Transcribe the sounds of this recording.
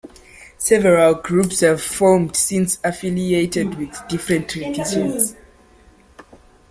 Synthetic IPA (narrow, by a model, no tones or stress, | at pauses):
sɛvɛɹalɡɹupshəv̥fɔmdsĩnsafilietɛdwiðdifɹɛ̃ntʰɹidiʃɔ̃ns